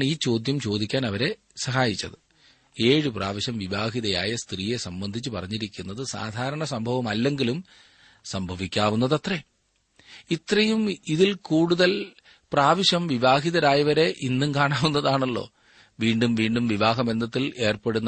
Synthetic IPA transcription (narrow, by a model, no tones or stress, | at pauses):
iːt͡ɕo̞ːd̪jɐmt͡ɕo̞ːd̪ikʲːaːnɐʋɐɾe̞ | sɐɦaːjit͡ɕːɐðɨ | e̞ːɻɨpraːʋiɕɐmʋiʋaːɦiðɐjaːjɐst̪riːje̞sɐmbɐnd̪ʱit͡ɕːɨpɐrɐɲːiɾikʲːunːɐðɨsa̰ːd̪ʱaːɾɐɳɐsɐmbʱɐʋɐmɐlːe̞ŋɡilum | sɐmbʱɐʋikʲːaːʋunːɐðɐt̪re | it̪rɐjumiðilkuːɽuðɐl | praːʋiɕɐmʋiʋaːɦiðɐɾaːjɐʋɐɾe̞ʔinːumkaːɳaːʋunːɐðaːɳɐɭːo̞̰ː | ʋiːɳɖumʋiːɳɖumʋiʋaːɦɐbe̞nd̪ʱɐt̪ːile̞ːrpeɽunːɐ